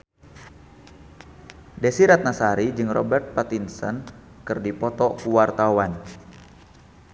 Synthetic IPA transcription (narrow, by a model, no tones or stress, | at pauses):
desiɾat̪̚nasaɾid͡ʒɨŋrɔ̰bɛrt̪̚pat̪insɔ̰n | kɨrdipɔt̪ɔkuwart̪awan